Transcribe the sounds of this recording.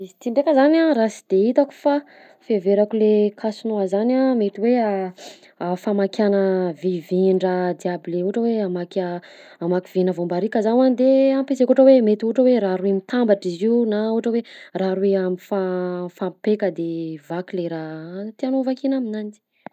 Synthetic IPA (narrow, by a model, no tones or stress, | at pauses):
iit̪iɳɖ͡ʐekəzanaɾasi̥d̪̥eit̪aku̥fa | feveɾakulekʰasunoazanamet̪iwea | afamakʲjanəviviɳɖ͡ʐəd̪iableuʈ͡ʂəweamaka | amakivinəvombaɾikəzanand̪eampesekuʈ͡ʂəwemet̪iuʈ͡ʂəweɾaɾuimit̪ambaʈ͡ʂiziunauʈ͡ʂəweraɾueamifafampekəd̪evakileɾat̪ianovakinaminanit͡ʃi̥